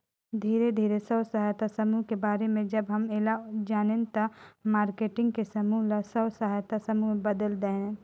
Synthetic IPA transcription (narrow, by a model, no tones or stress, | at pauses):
d̪ʱiːɾed̪ʱiːɾesəwsəɦajt̪asəmuɦkebaːɾemẽd͡ʒəbɦəmeːlad͡ʒaːnent̪ɔmaːɾkeːʈɪ̃ŋɡkesəmuɦlɐsəwsəɦajt̪asəmubəd̪əld̪ə̃